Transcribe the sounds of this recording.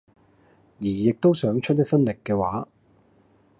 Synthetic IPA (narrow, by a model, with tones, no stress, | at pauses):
jiː˨˩jɪ˨k̚t̪o˥wsœː˨˥ŋt͡ʃʰɵ˥t̚jɐ˥k̚fɐ˥nlɪ˨kːɛː˧waː˨˥